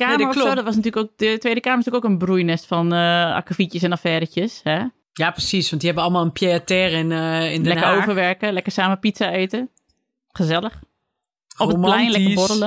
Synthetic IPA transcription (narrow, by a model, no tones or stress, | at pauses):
kaːəɔfsoːdtʋɔsnɐtyːləkok̚dətʋeːdəkaːmərstyəkoːkənbrujnɛstfɔna̰kəfitjəsɛnɔfɛːɾəcjəshɛ | japrəsisʋɑ̃ntdihɛbəɔlˠmalˠənpjeatɛrɪnɪnlɛkəoːvəʋɛrkəlɛkərsaːməpitsaeːtə | xəzɛləx | ɔəolɛjnlɛkəboɾələ